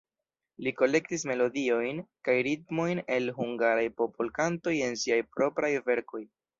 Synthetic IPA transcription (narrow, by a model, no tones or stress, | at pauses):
liko̞le̞ktisme̞lo̞dio̞jnkajɾitmo̞jne̞lɦuŋɡaɾajpo̞pʰolkanto̞je̞nsiajpɾo̞pɾajve̞ɾko̞j